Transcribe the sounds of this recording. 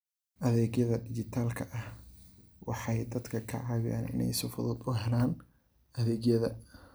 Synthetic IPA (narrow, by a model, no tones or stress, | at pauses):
ʔɐðɛːɡjɐðɐɖɪt͡ʃɪt̪ʰaːlkʰɐʔɐh | wɑħɑjd̪ɐd̪kʰɐkʰɐ̰ʕɑːwɪja̰ːnɪ̰nɛ̰jsʊfʊðɔːd̪ʊɦɛlaːn | ʔɐðɛːɡjɐðɐ